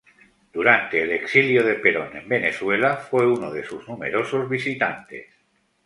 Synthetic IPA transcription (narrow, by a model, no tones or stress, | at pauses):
d̪̥uɾant̪e̞ːleksiljoð̞e̞pe̞ɾo̞nẽ̞̰mbe̞neθwe̞lafwe̞unoð̞e̞suznume̞̰ɾo̞so̞zβisit̪ant̪e̞̰s